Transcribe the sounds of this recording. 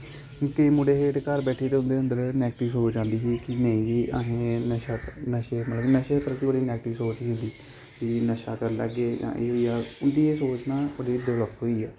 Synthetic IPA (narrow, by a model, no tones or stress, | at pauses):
kəiːmʊɖeːɦeːʈkəɾbɛːʈʰeːt̪eːʊ̃nd̪eːʊnd̪əɾnɛːkʈɪʋsoːt͡ʃãːnd̪iːsiːkɪnə̃ĩːd͡ʒiːʔaɦẽːnəʃaːnəʃeːmət̪ləbnəʃeːt̪əɾkibəɽiːnɛːɡʈɪʋsoːt͡ʃiːɦʊ̃nd̪iː | d͡ʒinəʃaːkəɾlə̰ɡːeːd͡ʒã̰ːʔeːɦoːiːaːʊnd̪iːeːsoːt͡ʃnaːbəɽiːd̪ɪʋləp̪ɦoːiːɛː